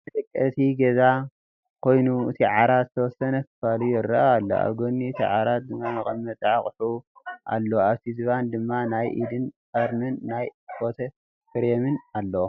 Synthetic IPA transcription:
ɐt̪ʼɐkʼːɐt̪ʰiɡɐza | kʰo̞jnuɨt̪ʰiʕaɾat̪zɨt̪ʰɐwɔsɐnɐkɨ̥falujɪɾːɐʔaalːo̰a̰βɡonːiɨt̪ʰiʕaɾat̪̚d̪ɨmːanɨxʼɐmːɐt͡s̪ʼʕaχʼħuʔa̰lːoaβt̪ʰizɨβand̪ɨmːanajʔid̪ɨnfɐɾnɨnːajfo̞t̪ʰɐ | fɨɾemɨnalːo

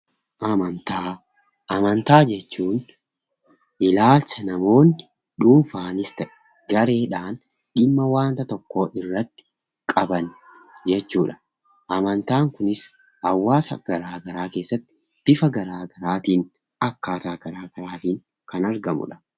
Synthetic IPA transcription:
ʔɐmɐnt̪aː | ɐmɐnt̪aːd͡ʒɛt͡ʃːuːn | ʔɪlaːlsɐnɐmo̞ːnːɪ | ᶑuːnfaːnɪst̪ɐʔɛ̥ | ɡɐɾe̞ːᶑaːn | ᶑɪmːɐwaːnt̪ɐt̪ɔkːoːʔɪrːɐt̪ːɪ̥ | kʼɐbɐn | d͡ʒɛt͡ʃːuːᶑɐ̥ | ʔɐmɐnt̪aːŋkʊnɪs | hɐwːaːsɐ̰ɡ̥ɐɾaːɡɐɾaːke̞ːsːɐt̪ːɪ̥ | fɪfɐɡɐɾaːɡɐɾaːt̪iːn | ɐkːaːt̪aːɡɐɾaːɡɐɾaːt̪iːŋ | kɐnɐɾɡɐmʊ̰ᶑɐ̥

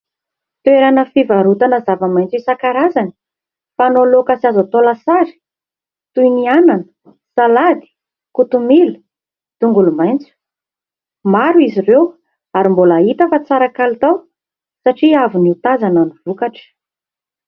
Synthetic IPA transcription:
t̪eɾanəfivaɾut̪anəzavamajnt͡suisakaɾazani̥ | fanolokasazat̪olasaɾi̥ | t̪uiniananə̥ | salad̪i̥ | kut̪umilu | t̪uŋɡulumajnt͡su̥ | maɾuizirew | aɾimbolait̪əfat͡saɾakalit̪aw | saʈ͡ʂiavuniut̪azananivukaʈ͡ʂə̥

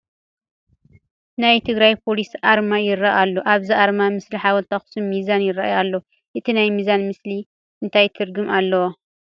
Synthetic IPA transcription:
najt̪ʰɨɡɾajpʰo̞lisʔaɾmajɪɾaʔalːoʔaβziʔaɾmamɨsliħawɔlt̪ʰaxsumːizanjɪɾaʔjalːo | ʔɨt̪ʰinajmizanmɨsli | ʔɨnt̪ʰajt̪ʰɨɾɡɨmalːɐwo

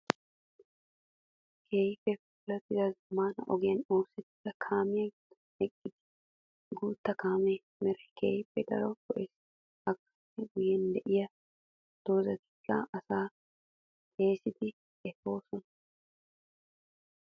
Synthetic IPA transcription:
kʰeːjpːɛpʊlɐt̪ɪd̪ɐzɐmaːnɐ̰ʔɔɡɪjɐno̞ːsːɛt̪ːɪlɐkʰaːmɪjɐ | ɛkʼːɪd̪ɪ | ɡuːt̪ːɐkʰaːmɛ | mɛɾɛkʰeːjpːɛd̪ɐ̰ɾɔkɔʔɛs | ɐkːɐ̥tːɛɡʊjɛnd̪ɛʔɪjɐ | d̪̥oːzɐt̪ɪ̥kːaʔɐsaː | eːsɪd̪ɪ | ɛfo̞ːsɔnɐ

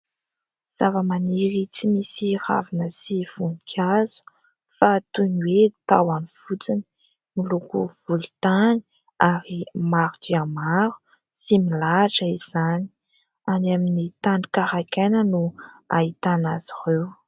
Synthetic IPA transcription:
z̥avəmaniɾit͡simisira̰vinəsiv̥unikʰʲazu̥ | fat̪uniwet̪awanivut͡sini | milukuv̥ulit̪ani̥ | aɾimaɾut̪iamaɾu̥ | similaʈ͡ʂəiz̥ani̥ | anaminit̪ani̥kaɾakenənua̰it̪anaz̥irew

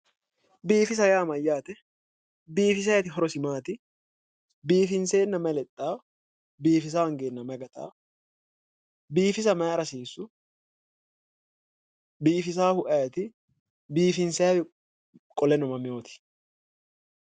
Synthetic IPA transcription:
biːfɪs̬ɐjaːmɐjːaːt̪ɛ | biːfɪs̬ɐjt̪ɪɦɔɾɔsɪmaːt̪ɪ | biːfɪnse̞ːnːɐmɐlɛt̪ʼːaː | biːfɪs̬aɐŋɡeːnːɐmɐɡɐt̪a̰ː | biːfɪs̬ɐmɐjɐɾɐsiːsːʊ | biːfɪs̬aːhʊʔɐjɛt̪ɪ | biːfɪnsɐjɐɪ | kʼɔlɛnɔmɐmɪjoːt̪ɪ̥

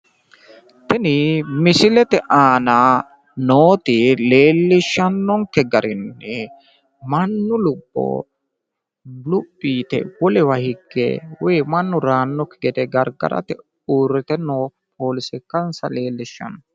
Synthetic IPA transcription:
t̪ɛnɪmɪsɪlɛt̪ɛʔaːna | noːt̪ɪleːlːɪʃːɐnːɔŋkːɛɡɐɾɪnːɛ | mɐnːʊlʊbːo̰ | lʊbːiːt̪ɛ̰wɔlɛwɐhɪɡːḛːwɛːmɐnːʊɾaːnːɔkːɛɡɛt̪ɛɡɐɾɡɐ̰ɾɐ̰t̪ɪ | uːɾːɪt̪ɛnoː | pʰoːlɪsɪkːɐnsɐle̞ːlːɪʃːɐ̰nːɔ

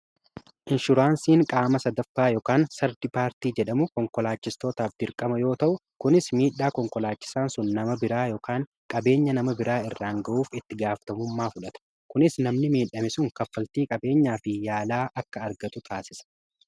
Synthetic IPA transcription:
ʔɪnʃʊɾaːnsiːŋkʼaːmɐsɐd̪ɐfːaːjoːkaːnsɐɾd̪ɪpaːɾt̪iːd͡ʒɛᶑɐmʊkɔŋkɔlaːt͡ʃːɪst̪o̞ːt̪aːfd̪ɪɾkʼɐmɐjo̞ːt̪ɐʔʊkʊnɪsmiːᶑːaːkɔŋkɔlaːt͡ʃːɪ̥saːnsʊnːɐmɐbɪɾaːjo̞ːkaːŋ | kʼɐbe̞ːɲːɐnɐmɐbɪɾʔaːɪrːaːŋɡɐʔuːfɪt̪ːɪɡaːfɐ̥t̪ɐmʊmːaːfʊᶑɐt̪ɐ̥ | kʊnɪsnɐmnɪmiːᶑɐmɪsʊŋkɐfːɐlt̪iːkʼɐbe̞ːɲːaːfɪjaːlaːʔɐkːɐːɾɡɐt̪ʊt̪ʰaːsɪsɐ̥

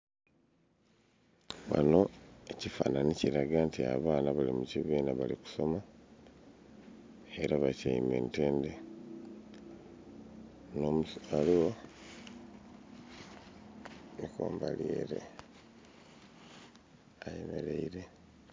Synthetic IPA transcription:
βa̰no̞ecifa̰ːnaniciɾaɡantia̰βaːnaβalimuciβiːnaβaliku̥so̞ma | e̞ɾaβacaime̞̰nteːnde | nomualiwo̞ | niko̰ːmbaljḛːɾe̞̰ | ajeme̞̰ɾeiɾe̞

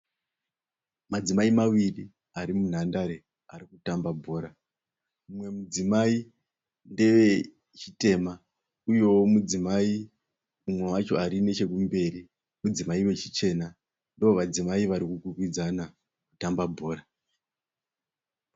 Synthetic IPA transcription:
mad͡zimaimaʋiri | aɾimun̤andaɾe̞ | aɾikutambabʱo̞ːɾa | mumwe̞mud͡zimai | nde̞ʋe̞ | t͡ʃite̞ma | ujo̞womud͡zimai | umwewat͡ʃo̞aɾine̞t͡ʃe̞k̬umbe̞ri | mud͡zimaiwe̞t͡ʃit͡ʃe̞ːna | ndooʋad͡zimaiʋaɾikukukwid͡zana | kutambabʱo̞ːra

